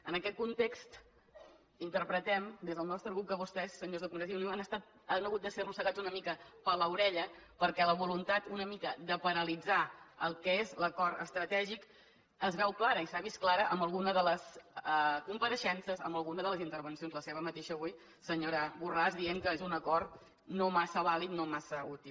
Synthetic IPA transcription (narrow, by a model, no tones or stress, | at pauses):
ənəkɛt̪̚kunt̪ekst̪ | int̪əɾpɾət̪ɛmd̪ezðəlˠnɔst̪ɾəɣɾuk̚k̪əβust̪ɛsːəɲozðəkumɾəziuliwanəst̪at̪̚ | ənəɣut̪̚d̪əserusəɣad͡zunəmikəpələwɾɛʎəpəɾkɛləβ̞ulunt̪at̪unəmikəd̪əpəɾəlid͡zaəlˠkəezləkɔɾə̰st̪ɾət̪ɛʒik | əzβɛwklaɾəisaβisklaɾəʔəmbəlˠɣunəðələsəkumpəɾəʃɛnsəzə̰mbəlˠɣunəðələzint̪əɾβənsionzləseβəmət̪eʃəβuj | səɲoɾəβurazðieŋkəezunəkɔrt̪ | nomasəβalit̪̚nomasəut̪ilˠ